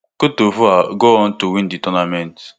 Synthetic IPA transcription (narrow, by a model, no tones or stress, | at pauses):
kotovuaɡoɔn̩tuwĩnditɔnamɛ̃nt